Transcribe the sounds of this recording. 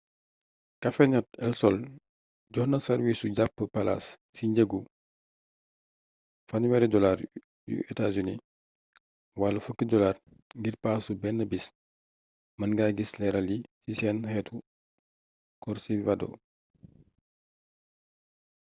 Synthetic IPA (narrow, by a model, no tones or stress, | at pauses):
kɐfɛɲɔt̚ɛ̰lsɔl | ɟɔhnɐsɐɾwisuɟapːəpɐla̰ssiɲɟəɡu | fɐɲwɛɾɛdɔlaːɾ | jṵʔɛtazunḭ | walɐfəkːədɔlaːr | ŋɡirpaːsubɛnːəbis | mɐnɡaɡislɛɾɐlisisɛːnhɛtʰu | kɔɾsiwadɔ̰